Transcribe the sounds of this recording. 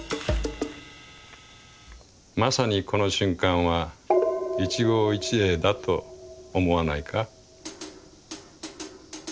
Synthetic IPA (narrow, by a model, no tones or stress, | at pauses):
masaɲ̟iko̞no̞ɕɨ̃ŋkãɰ̃βa | it͡ɕiɡo̞ːit͡ɕie̞ːd̪at̪o̞ːmo̞anaikʰa